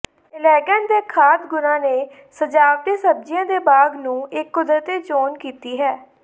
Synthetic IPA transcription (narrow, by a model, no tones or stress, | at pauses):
ɪlɛːɡənd̪eːkʰaːt̪ɡʊnãːneː | səd͡ʒaːʋd̪eːsəb̚d͡ʒɪjãːd̪eːbaːɡnũːɪkːʊd̪ɾət̪eːd͡ʒoːnkiːt̪iːɦɛː